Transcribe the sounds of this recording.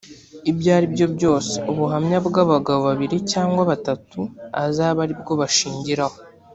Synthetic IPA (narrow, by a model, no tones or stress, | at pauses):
ibɟaːɾibɟo̞bɟo̞ːse̥uβuɦamɲabɡaːβaɡaβoβaβiɾicaːŋɡwaβatatua̰zaːβaɾib̚ɡo̞βaʃiːɲɟiɾaho